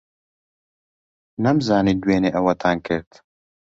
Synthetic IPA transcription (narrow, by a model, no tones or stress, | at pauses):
nɐmzaːniːd̪weːneːʔɐwɐt̪ʰaːnkʰɪɾt̪